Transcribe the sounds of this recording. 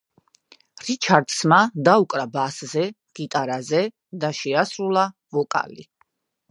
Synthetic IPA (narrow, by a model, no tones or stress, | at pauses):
ɾit͡ʃʰaɾd̪̥smad̪aukʼɾabaszɛ | ɡ̥it̪ʼaɾazɛ | d̪aʃɛasɾulˠavɔkʼa̰lḭ